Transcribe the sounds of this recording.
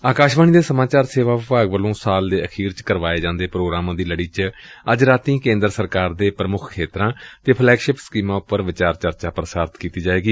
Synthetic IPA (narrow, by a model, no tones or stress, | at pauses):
aːkaːʃʋaːniːd̪eːsəmaːt͡ʃaːɾseːʋaːʋɪpaːɡʋəlõːsaːld̪eːʔəkʰiːɾt͡ʃkəɾʋaːeːd͡ʒãːnd̪eːpɾoːɡɾaːmãːd̪iːləɽiːt͡ʃəd͡ʒɾaːt̪ĩːkẽːnd̪ɾsəɾkaːɾd̪eːpɾəmʊkʰkʰːeːt̪ɾãːt̪eːpʰlɛːkʃɪpsə̥kiːmãːʊpːəɾʋɪt͡ʃaːɾt͡ʃəɾt͡ʃaːpɾəsaːɾt̪kiːt̪iːd͡ʒaːeːɡiː